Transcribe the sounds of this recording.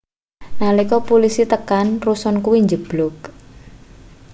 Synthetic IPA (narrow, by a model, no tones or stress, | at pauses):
nalikɔpolisit̪əkanrusɔnkuwiɲd͡ʒəb̥lɔk̚